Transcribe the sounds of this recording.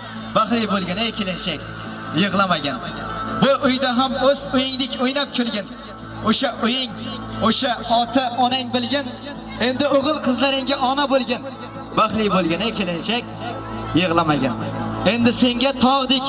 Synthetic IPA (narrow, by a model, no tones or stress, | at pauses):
baχlɪjbolˠɡʲanakʰʲelɪnʃakʲ | jɨʁlˠamaɡʲanbʊʔʊjd̪aɦamoz̥ʊjɪŋlɪkʲojnap̚kʲʰelˠɡʲan | oʃaʔʊjɪŋoʃaɒt̪ʰaɒnaŋbɪlɡʲan | e̞nd̪ɪoʁɨlˠqʰɨzlaɾɪŋɡʲaʔɒnabolˠɡʲan | baχlɪjbolˠɡʲanakʲʰelɪnʃakʲ | jɨʁlˠamaɡʲa̰ne̞nd̪ɪse̞ŋɡʲat̪ʰɒʁd̪ɪkʲ